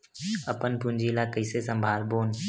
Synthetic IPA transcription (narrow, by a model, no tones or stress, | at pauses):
əpənpʊ̃nd͡ʒiːlaːkəiːseːsə̃mbʱaːlboːn